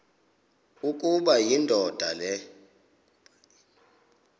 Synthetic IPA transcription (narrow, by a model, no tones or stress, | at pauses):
ukʼuɓajindʱɔd̥ʱalɛ